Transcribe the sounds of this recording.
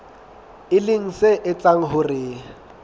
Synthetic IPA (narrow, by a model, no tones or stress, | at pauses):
ɪlɪŋ̩seʔɪt͡saŋ̩ɦʊrɪ